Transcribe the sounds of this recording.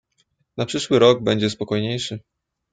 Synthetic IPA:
napʂɘʂwɘɾɔɡ̚bɛɲd͡ʑɛspɔkɔjɲejʂɘ

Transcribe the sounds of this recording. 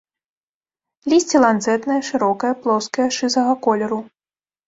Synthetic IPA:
lʲisʲt͡sʲilˠant̪zɛt̪nɐjɐʂɨɾɔkɐjɐplˠɔskɐjɐʂɨzɐɣɐkɔlʲɛɾu

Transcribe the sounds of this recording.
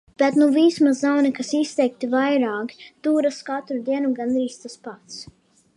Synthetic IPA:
b̥ɛt̪nuviːsmazzawnikasist̪ɛjk̚t̪ivajɾɑːkt̪uːɾaskat̪ɾud̪iɛnuɡand̪ɾiːst̪aspat̪s

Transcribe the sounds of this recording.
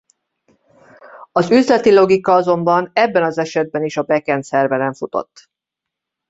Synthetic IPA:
ɒzyzlɛt̪ilo̞ɡikɒɒzo̞mbɒnɛbːɛnɒzɛʃɛd̪̚bɛniʃɒbɛkɛnt̪sɛrvɛnɛɱfut̪o̞̰t̪ː

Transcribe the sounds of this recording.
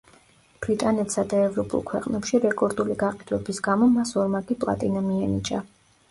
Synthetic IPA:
b̥ɾit̪ʼanɛt̪sad̪aɛvɾɔpʼṵlˠkʰwɛqʼnɛpʃiɾɛkʼɔɾd̪uliɡaqʼɛd̪wɛbisɡamɔmasɔɾmaɡʼipʼlˠa̰t̪ʼinamiɛnit͡ʃʼa

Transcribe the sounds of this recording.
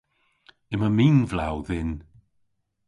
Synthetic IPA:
ɪməmiːnvlawðɪn

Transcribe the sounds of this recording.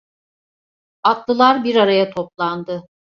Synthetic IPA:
at̪lˠɯlˠaɾbiɾaɾajat̪ʰo̞plˠand̪ɯ

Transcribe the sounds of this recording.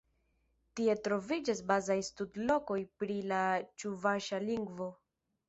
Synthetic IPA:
tie̞tɾo̞vid͡ʒasbazajstudlo̞ko̞jpɾilat͡ʃuvaʃaliŋɡvo̞

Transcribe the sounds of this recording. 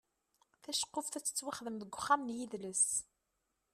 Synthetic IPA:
θæʃə̥qːofθæt͡sːə̥t͡sːwaχðəmðəɡʷːχːamnjiðləs

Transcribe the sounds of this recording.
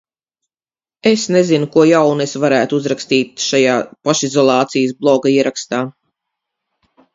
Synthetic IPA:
esnezinukuɔjawnesvaɾæːt̪uzɾakst̪iːt̪ʃajaːpaʃizɔlˠɑːt̪sijəsblˠɔɡaiɛɾakst̪aː

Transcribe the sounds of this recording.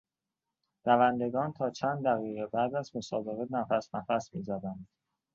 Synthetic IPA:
ɾævænd̪e̞ɡɒːnt̪ʰɒːt͡ʃʰænd̪̚d̪æɣiːɣebæd̪æzmo̞sɒːbe̞ɣenæfæsnæfæsmḭːzæd̪ænd̪̥

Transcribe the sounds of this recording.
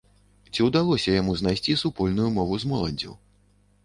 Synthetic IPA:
t͡sʲiwd̪alˠɔsʲɐjamuznajsʲt͡sʲisupɔlʲnujumɔvuzmɔlˠɐnʲd͡zʲɐ̰w

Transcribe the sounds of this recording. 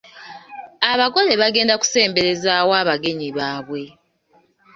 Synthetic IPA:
aβaɡo̞le̞βaɡe̞ːndaku̥se̞ːmbe̞ɾe̞zawaːβaɡe̞ɲiβaːβwe̞

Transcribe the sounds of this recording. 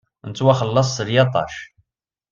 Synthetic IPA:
nət͡sːwæχəlːɑsˤːəɾjɑt̪ˤɑ̰ʃ

